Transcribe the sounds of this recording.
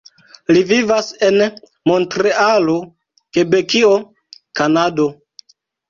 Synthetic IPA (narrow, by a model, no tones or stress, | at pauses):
livivase̞n | mo̞ntɾe̞alo̞ | ke̞be̞kio̞ | kanado̞